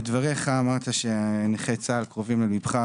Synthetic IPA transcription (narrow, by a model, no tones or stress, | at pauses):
ed̪vaʁeχaːmaʁt̪aʃeneχet͡saːlkʁovimlemibχa